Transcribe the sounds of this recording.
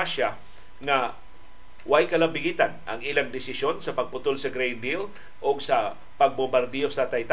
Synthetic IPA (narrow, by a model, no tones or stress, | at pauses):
aʃa | ŋa | wajkɐlɐmbɪɡit̪anʔɐŋilaŋd̪ɪsɪʃo̞nsɐpɐɡ̚pʊt̪olsɐɡɾejnd̪il | ʔoɡsɐ | pɐɡ̚bombaɾd̪ɛosɐt̪ajt̪